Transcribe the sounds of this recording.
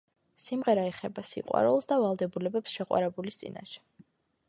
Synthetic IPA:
simʁɛɾaɛχɛbasḭqʼwa̰ɾulˠsd̪avalˠd̪ɛbulɛbɛpsʃɛqʼwa̰ɾɛbulist̪sʼḭna̰ʃɛ̥

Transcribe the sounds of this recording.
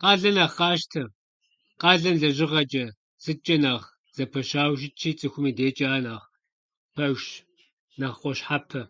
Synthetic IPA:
qɑːɮɐnɐːχɑːʃtʰɐ | qɑːɮɐmɮɐʒɪʁɐt͡ʃʼɐ | sɨt͡ʃʼɐnaːʁ | z̥ɐpʰɐʃaːwʒɪt͡ʃʰiːt͡sʼɨxʷʊmiːdeːt͡ʃʼaːnaːʁ | pʰɐwʃ | naːʁqʷɔʃħapʰɐ

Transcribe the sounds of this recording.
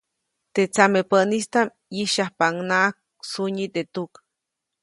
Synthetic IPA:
t̪et͡samepəʔnist̪am | jiʃahpaŋnaʔak̚ | suɲit̪et̪uk

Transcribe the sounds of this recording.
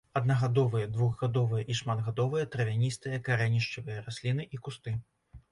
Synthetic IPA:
ɐd̪̚nɐɣad̪ɔvɨjɐd̪vuɣɣad̪ɔvɨjɐʔiʂmad̪ɣad̪ɔvɨjɐt̪ɾɐvʲanʲist̪ɨjɐkaɾɛnʲiʂt͡ʂɨvɨjɐɾasʲlʲin̪ɨʔikust̪ɨ

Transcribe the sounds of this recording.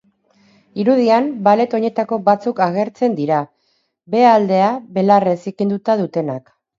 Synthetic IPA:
iɾuðiambale̞t̪o̞ɲe̞t̪ako̞βat͡sukaɣ̞e̞ɾt͡se̞nd̪iɾa | be̞ald̪e̞aβe̞laresikind̪ut̪aðut̪e̞nak

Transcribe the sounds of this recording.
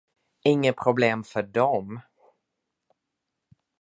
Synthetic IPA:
ɪŋːəpʰɾʊbleːmfœɖɔm

